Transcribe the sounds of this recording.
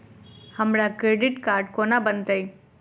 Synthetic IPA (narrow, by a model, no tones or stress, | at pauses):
hɐmɾakɾeːɖɪʈkaːɾɖkonabənt̪əi